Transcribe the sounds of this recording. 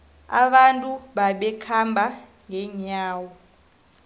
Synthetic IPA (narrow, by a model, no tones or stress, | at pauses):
a̰ɓantʼuɓaɓɛkʰambʱa | ŋɡʱɛɲaːwɔ